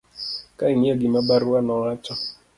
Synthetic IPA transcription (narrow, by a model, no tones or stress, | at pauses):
kaiɲeɡɪmabaɾuanɔɾat͡ʃɔ